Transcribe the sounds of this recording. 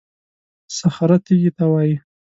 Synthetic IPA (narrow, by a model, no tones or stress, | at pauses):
saxaɾat̪iɡit̪awaji